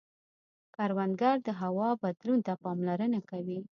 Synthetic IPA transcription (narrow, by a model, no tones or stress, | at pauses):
kaɾwand̪ɡaɾd̪əɦawɑbad̪lunt̪apɑmlaɾənakawi